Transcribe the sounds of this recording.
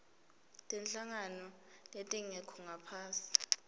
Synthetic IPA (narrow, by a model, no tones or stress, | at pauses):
tʼɛnɬaŋanɔ | jetʼiŋɛkʰɔŋapʰaːsi̥